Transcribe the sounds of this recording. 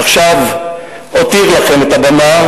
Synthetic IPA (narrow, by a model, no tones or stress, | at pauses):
aχʃav | ot̪iʁlaχemet̪abama